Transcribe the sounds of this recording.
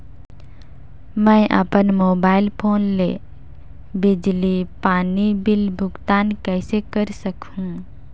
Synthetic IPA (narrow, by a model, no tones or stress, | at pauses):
mɛ̃ːʔə̰pənmoːbaːɪlpʰoːnlḛː | bɪd͡ʒlipaːnibɪlbʱʊɡt̪aːnkɛːsekəɾsəkũ